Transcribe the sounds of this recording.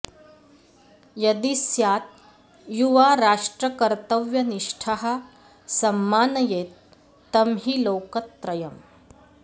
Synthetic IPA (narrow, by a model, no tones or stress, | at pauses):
jɐd̪isjaːt̪̚ | juʋaɾaʂʈɾɐkɐɾt̪əʋjɐniʂʈʰaɦɐ | sɐmːaːnɐjeːt̪ː | ɐmɦiːlowkət̪ːɾɐjɐm